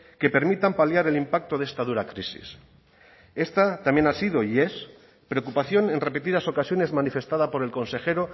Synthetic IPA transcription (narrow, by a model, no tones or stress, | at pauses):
ke̞pe̞ɾmit̪ampaljaɾe̞limpak̚t̪o̞ðe̞st̪að̞uɾakɾisḭs | e̞st̪at̪amje̞nasiðoie̞s | pɾeokupaθjo̞ne̞nre̞pe̞t̪ið̞aso̞kasjo̞ne̞zmanife̞st̪að̞apo̞ɾe̞lko̞nse̞xe̞ɾo